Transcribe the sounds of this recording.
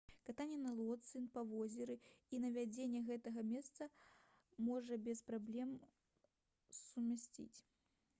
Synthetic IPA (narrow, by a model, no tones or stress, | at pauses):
kat̪anʲɛnɐlˠɔt̪sɨnpɐvɔzʲɛɾɨinɐvʲad͡zʲenʲːɛɣɛt̪ɐɣɐmʲɛst̪sɐ | mɔʐɐbʲɛspɾablʲɛm | sumʲasʲt͡sʲḭt͡sʲ